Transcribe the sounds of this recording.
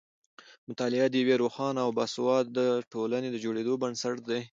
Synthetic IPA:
mʊt̪ɑlɪad̪əjweɾoxɑnaawbaswɑd̪əʈolaned̪əd͡ʒoɽed̪obənsaʈ̚d̪aj

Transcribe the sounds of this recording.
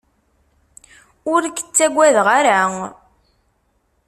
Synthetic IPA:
ʊɾɡə̥t͡sːæɡʷːæðʁaɾa

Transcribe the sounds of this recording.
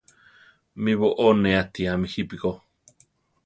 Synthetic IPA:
miβoʔoneat̪iamihipiko

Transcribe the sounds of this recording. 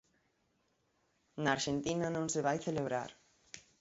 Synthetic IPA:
naːɾʃent̪inɐnõŋseβajθeleβ̞ɾa̰ɾ

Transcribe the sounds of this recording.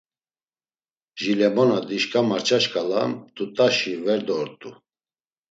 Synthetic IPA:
ʒilɛmɔnad̪iʃkʼamaɾt͡ʃʰʼaʃkʼalamt̪ʼut̪ʼaʃivɛɾd̪ɔɾt̪ʼu

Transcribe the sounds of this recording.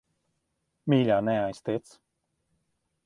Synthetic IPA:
miːʎʲaːnɛajst̪it̪s

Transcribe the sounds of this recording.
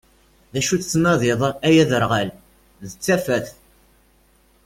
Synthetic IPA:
ðæʃut͡st͡sːnɑðɪðˤæjæðəɾʁæl | ðət͡sːæfæθ

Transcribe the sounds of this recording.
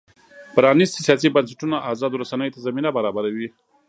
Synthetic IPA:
pɾɑnist̪sijɑsibɐnsḁʈunaʔazɑd̪oɾasanəjot̪azaminabaɾɑbaɾawi

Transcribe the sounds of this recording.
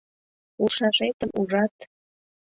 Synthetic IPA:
uʃɑʃet̪əmʔuʒɑt̪

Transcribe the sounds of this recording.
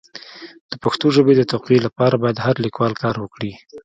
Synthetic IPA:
d̪̥əpaxt̪oʒəbed̪ət̪awqelapɑɾabɑjad̪haɾlikwɑlkɑɾwəkɽi

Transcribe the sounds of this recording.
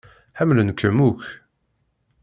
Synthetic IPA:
ħæmlənkəmuk

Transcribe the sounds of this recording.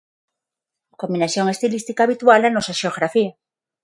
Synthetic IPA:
kombinaθjo̞ŋe̞st̪ilist̪ikaːβit̪walanosaʃeoɣ̞ɾafia

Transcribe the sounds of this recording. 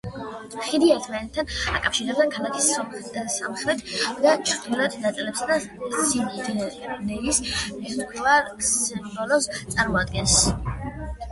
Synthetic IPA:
χid̪iɛt̪ʰmanɛt̪ʰːana̰kʼafʃiɾɛbd̪akʰalakʰissa̰mχɾɛt̪ʰd̪at͡ʃʰɾd̪ulat̪nat̪sʼɛlɛpsad̪a | sin | nɛismiskʰvaɾbɔlɔst̪sʼaɾmɔad̪̚ɡɛns

